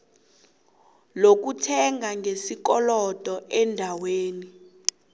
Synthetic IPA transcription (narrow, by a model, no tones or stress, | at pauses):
lok̬utʰɛŋʱaŋesikɔlɔtʼɔʔɛndʱaweːni